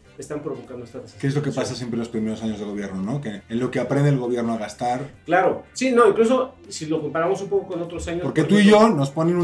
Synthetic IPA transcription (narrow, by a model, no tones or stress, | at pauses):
est̪ampɾoβokand̪oest̪aeskeezlo̞ke̞pasasjempɾelospɾime̞ɾos̬aɲo̞zðe̞lɣoje̞ɾno̞no̞keenlo̞keapɾe̞nd̪elɣo̞βje̞ɾnoaɣast̪aɾklaɾo̞sino̞iŋklus̬o̞ | silo̞ko̞mpaɾamo̞sumpo̞koko̞not̪ɾosaɲopoɾket̪uiʝo̞no̞spo̞nenu